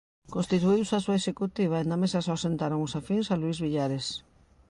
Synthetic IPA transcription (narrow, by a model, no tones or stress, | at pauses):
kõnst̪it̪uiwsasuaeʃekut̪iβ̞aend̪ɐmesɐsasent̪aɾoŋʊsafiŋsaluizβiʎaɾes